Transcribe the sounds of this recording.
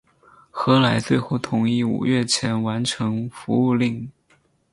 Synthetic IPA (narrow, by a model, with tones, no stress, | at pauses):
xɤ˧˥la˧˥ɪt͡swe˥˧ɪxo˥˩ʊt̪ʰʊ˧˥ŋi˥˩ṵ˨˩ɥɛ˥˩t͡ɕʰjɛ˧˥nwa˧˥nʈ͡ʂʰɤ˧˥ŋfu˧˥u˥˧li˥˩ŋ